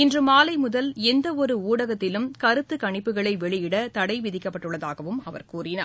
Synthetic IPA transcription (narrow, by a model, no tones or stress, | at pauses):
ɪndrɯmaːlɐɪmʊðɐlɛnd̪ɐɔɾɯuːɽɐɣɐt̪ːɪlɯmkɐɾɯt̪ːɯkɐɳɪpːɯɣɐɭɐɪʋɛɭɪjɪɽɐt̪ɐɽɐɪʋɪðɪkːɐpːɐʈːɯɭːɐðaːɣɐʋɯmɐʋɐ̰ɾkuːrɪnaː